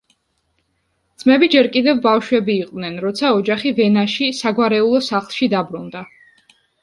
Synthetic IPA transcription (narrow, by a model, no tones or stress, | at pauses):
d̪z̥mɛbid͡ʒɛɾkʼid̪ɛvbafʃwɛbiːqʼd̪nɛnɾɔt̪sʰaɔd͡ʒaχivɛnaʃisaɡwaɾɛulˠɔsaχlˠʃid̪abɾund̪a